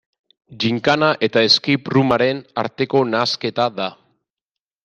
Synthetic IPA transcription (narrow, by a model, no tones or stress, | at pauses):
ʝiŋkanaʔe̞t̪aeskiprumaɾe̞na̰ɾt̪e̞ko̞naːske̞t̪aða